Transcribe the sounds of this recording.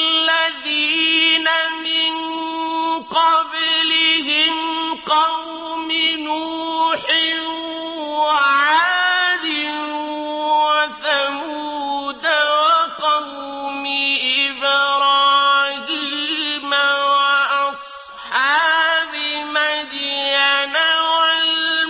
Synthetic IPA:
aðiːnamɪn | qɑblɪhɪmqɑw | mɪnuːħɪ | waʕaːd̪ɪnuwaθamuːd̪awaqɑw | mɪʔɪbɾɑːɡɪlmawaʔɑsˤ | ħaːbɪmad̪janawal

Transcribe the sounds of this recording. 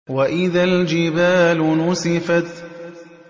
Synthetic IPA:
waʔɪðald͡ʒɪbaːlʊnʊsɪfat̪

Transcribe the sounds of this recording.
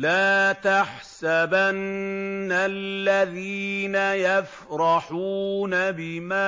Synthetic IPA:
laːt̪aħ | sabanː | allːaðiːnajaf | ɾˤɑħuːnabɪmaː

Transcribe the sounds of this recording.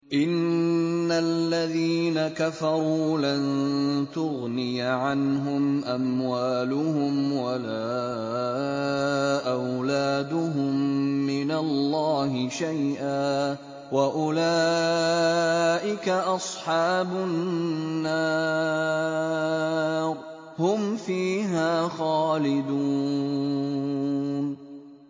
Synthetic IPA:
ʔɪnː | alːaðiːnakafɑɾˤuːlant̪ʊɣnɪjʕanɦʊmʔamwaːlʊhʊmwalaː | ʔawlaːd̪ʊɦʊmːɪnalːɑːhɪʃajʔaː | waʔʊlaː | ʔɪkaʔɑsˤħɑːbʊnː | aː | hʊmfiːɦaːxɑːlɪd̪uː | n

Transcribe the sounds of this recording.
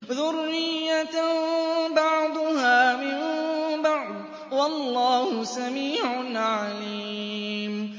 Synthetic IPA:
ðʊrːɪjːa | bɑʕd̪ˤʊhaːmɪmbɑʕd̪ | wɑlˤːaːhʊsamiːʕʊnʕaliːm

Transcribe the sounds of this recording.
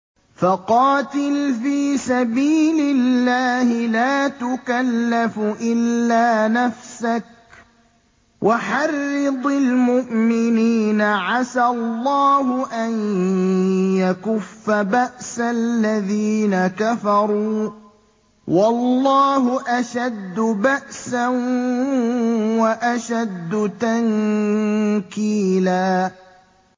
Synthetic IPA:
faqɑːt̪ɪlfiːsabiːlɪlːaːhɪlaːt̪ʊkalːafʔɪlːaːnafsak̚ | wʔaħɑrːɪd̪ˤɪlmʊʔmɪniːnaʕasallˤːɑːɦʊʔan | jakʊfːabaʔsalːaðiːnakafɑɾˤuː | wɑlːɑːɦʊʔaʃad̪ːʊbaʔsan | waʔaʃad̪ːʊt̪aŋ | kiːlaː

